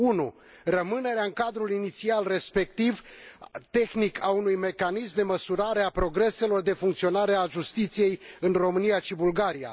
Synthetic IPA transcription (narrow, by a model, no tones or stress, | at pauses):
unu | rəmɨne̞ɾeaɨŋkad̪ɾulinit̪sialre̞spe̞k̚t̪ivt̪e̞xnikʰaunujme̞kanismd̪e̞məsuɾaɾe̞apɾo̞ɡɾe̞se̞lo̞rd̪e̞fuŋkt̪sio̞naɾe̞aʒust̪it̪sije̞jɨnro̞mɨnijaʃibulɡaɾija̰